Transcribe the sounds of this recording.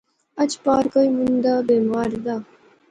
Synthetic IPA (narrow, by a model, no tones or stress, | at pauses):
ɐt͡ʃpaːɾkoimunnd̪abeːmaːɾd̪aː